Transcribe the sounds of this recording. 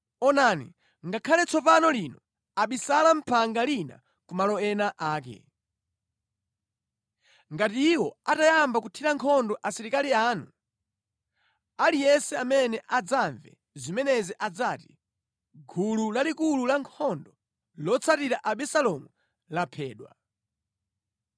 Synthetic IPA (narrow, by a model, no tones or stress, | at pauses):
ɔnaːnḭ | ŋɡakʰalɛt͡sʰɔpanɔlinɔ | aɓisalam̩pʰaŋɡalina̰ | kumalɔɛnaʔaːk̬ɛ̰ | ŋɡatiːwɔatajambakutʰiɾaŋkʰɔndɔʔasiɾikaliaːnu | alijɛnsɛamɛnɛʔad͡zaɱvɛ̰ | zimɛnɛziʔad͡zaːti̥ | ɡʱululalikululaŋkʰɔndɔ | lɔt͡sʰatiɾaʔaɓɛsalɔmu | lapʰɛːɗwa̰